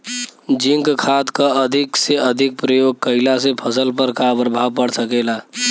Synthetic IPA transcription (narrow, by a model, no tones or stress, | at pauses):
d͡ʒiŋkkʰad̪kəəd̪ʱikseəd̪ʱik̚pɾəjoɡ̚kəɪlas̬epʰəsəlpəɾkabəɾbʱaʋpəɽsəkela